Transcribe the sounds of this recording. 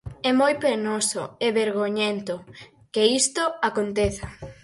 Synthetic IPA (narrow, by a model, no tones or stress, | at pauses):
ɛmojpenoso̰eβeɾɣoɲent̪o | keist̪oakont̪eθa